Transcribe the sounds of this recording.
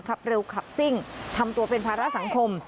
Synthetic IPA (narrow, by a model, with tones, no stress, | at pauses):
kʰa˦˥p̚ɾe˧wkʰa˨˩p̚si˥˩ŋt̪ʰa˧mt̪u˧ɐpe˧npʰaː˧ɾa˦˥ʔsa˨˩˦ŋkʰo˧m